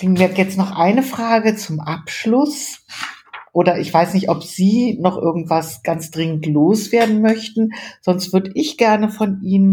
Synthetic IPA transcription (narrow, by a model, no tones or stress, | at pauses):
klɪŋmiːɐjɛt͡stnɔχʔaɪnəfʁ̥aːɡət͡sʊmʔapʃlʊs | ʔʔoːdɐʔɪçv̥aɪsnɪçtɔpz̥iːnɔχʔɪ̰ɐɡŋ̩tv̥asɡ̥ant͡sd̥ʁɪŋəntloːsv̥eːɐdn̩mœçtn̩z̥ɔnstv̥ʏɐdəʔɪçɡ̥ɛɐnəfɔnʔiːnən